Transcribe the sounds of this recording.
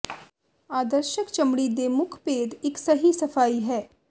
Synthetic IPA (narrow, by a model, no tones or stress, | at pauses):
aːd̪əɾʃəkt͡ʃəmɽid̪eːmʊkʰpeːd̪ɪksəɦisəpʰaːiːɦɛː